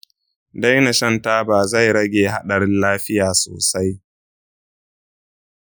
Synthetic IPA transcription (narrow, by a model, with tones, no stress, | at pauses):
da˦jnɐ˨ʃɐ˦˨ntaː˦baː˨za˦˨jɾɐ˦ɡʲeː˨ɦa˦ɗɐ˨ɾɪ˦nlaː˦ɸɪ˦jaː˨soː˨sa˦j